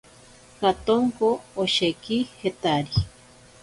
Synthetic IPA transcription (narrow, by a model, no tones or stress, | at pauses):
kat̪oŋkoːʃekihet̪aɾi